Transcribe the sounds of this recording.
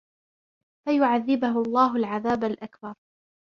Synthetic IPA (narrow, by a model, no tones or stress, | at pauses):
fajʊʕaðːɪbʊɦʊɑlˤːɑːɦʊlʕaðaːbalʔakbɑɾˤ